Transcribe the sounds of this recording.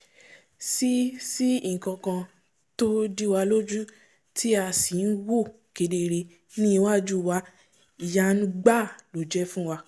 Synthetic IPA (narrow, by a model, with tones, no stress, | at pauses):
si˦si˦i˦˨kã˧kã˧ | to˦di˦wa˧lo˦d͡ʒu˦ | tʰi˦a˧si˨n̩˦wo˦˨ | ke˧de˧ɾe˧ | nĩ˦i˧wa˦˨d͡ʒu˦˨wa˧˦ | i˨ja˧nũ˦ɡ͡ba˦˨lo˨d͡ʒɛ˦fũ˦wa˧